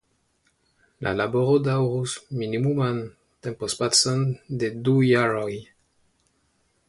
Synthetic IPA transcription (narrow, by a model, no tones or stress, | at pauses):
lʔa̰laboɾod̪awʁusminimuman | t̪empospat͡sɔnd̪ed̪ujaɾoj